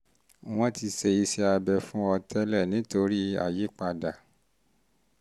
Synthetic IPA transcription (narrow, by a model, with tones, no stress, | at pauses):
w̃ɔ̃˦ti˧se˧i˧sɛ˧a˧bɛ˧fũ˦ɔ˧tʰɛ˦lɛ˦˨nĩ˨˦to˧ɾi˦a̰˨je˨˦k͡pa˧da˨